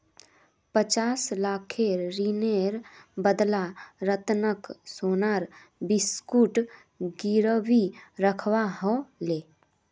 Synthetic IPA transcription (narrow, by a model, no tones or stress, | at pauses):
pət͡ʃaːslaːkʰeɾɾineɾbəd̪laɾət̪nəksoːnaːɾ | bɪskuːʈ | ɡiɾəʋiɾəkʰwaɦõleː